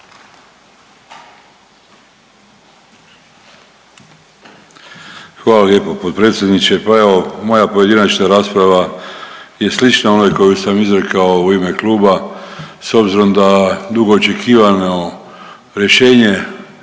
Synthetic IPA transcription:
xʋaːlalje̞ːpopot̪̚pɾe̞ːt̪sʲje̞d̪nit͡ʃepae̞ʋo̞mo̞japoje̞d̪inat͡ʃnaɾaːspɾaʋa | je̞slit͡ʃnaonajko̞jusamizɾe̞kao̞uime̞kluːbaso̞bziɾo̞md̪ad̪uɡo̞ːt͡ʃe̞kʰiːʋano̞ | ɾje̞ʃe̞ːɲe̞

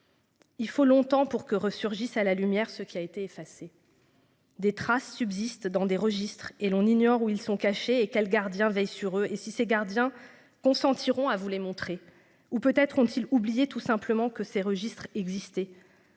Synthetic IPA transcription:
ilfolɔ̃t̪ɑ̃puʁkəʁəsyʁʒisalalymjɛʁsəkʲiaet̪eːfase | d̪et̪χasːybzist̪d̪ɑ̃d̪eʁəʒist̪χelɔ̃niɲɔʁuilsɔ̃kaʃeːkʲɛlɡaʁd̪jɛ̃vɛjsyʁøʔesiseɡaʁd̪jɛ̃ | kɔ̃sɑ̃t̪ʰiʁɔ̃avulemɔ̃t̪χe | upøt̪ɛt̪χɔ̃t̪ʰilublijet̪usɛ̃pləmɑ̃kəseʁəʒist̪χɛɡzist̪ɛ

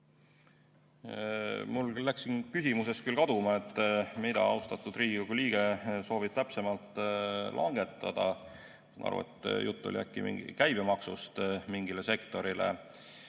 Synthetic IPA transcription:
mullːæksinkysimuse̞skylkɑd̪̥umɑe̞t̪ːˑmid̪̥ɑ̰ɑwst̪ɑt̪ːˑud̪̥riːɡikoɡuliːɡ̥eso̞ːvib̥̚t̪æpse̞mɑlt̪ːˑlʔɑ̰ŋɡ̥e̞t̪ːˑɑd̪̥ɑ | nɑ̰ɾṵḛt̪ːˑjut̪ˑːo̰liæ̰kːˑḭmḭkæjb̥emɑksust̪miŋɡile̞se̞kt̪o̞ɾile̞̰

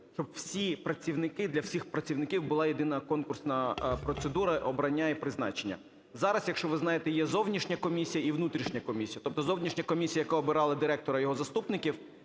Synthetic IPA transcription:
t͡ʃɔbwsʲipɾɐt͡sʲiwnɪkɪd̪lʲɐwsʲixpɾɐt͡sʲiwnɪkʲiwbʊlˠɑjid̪ɪnɐkɔnkʊrsnɐpɾɔt̪sed̪uɾɐʔɔbɾɐnʲːaipɾɪznɑ̰t͡ʃenʲːɐ̰ | zɑɾɐsjɐkʃt͡ʃɔʋɪznɑjet̪ɛjɛzɔwnʲiʃnʲɐkɔmʲisʲijɐiʋnut̪ɾʲiʃnʲɐkɔmʲisʲijɐt̪ɔp̚t̪ɔzɔwnʲiʃnʲɐkɔmʲisʲijɐjɐkaɔbɪɾɑlˠɐd̪ɪɾɛk̚t̪ɔɾɐjɔɦɔzɐst̪upnɪkʲiw

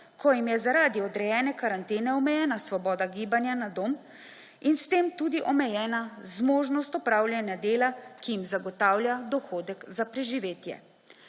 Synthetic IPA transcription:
kɔjimjɛzaɾaːd̪iɔd̪ɾɛjɛːnɛkaɾant̪eːnɛɔmɛjɛːnasʋɔbɔːd̪aɡiːbanjanad̪oːn | inst̪eːmt̪uːd̪iʔɔmɛjɛːnazmoːʒnɔst̪ɔpɾaːwlʲjanjad̪eːlakijimzaɡɔt̪aːwlʲjad̪ɔxoːd̪ɛkzapɾɛʒiʋeːt̪jɛ̰

